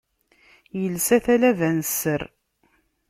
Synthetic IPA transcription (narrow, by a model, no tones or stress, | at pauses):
jəlsæθælævænsːəɾ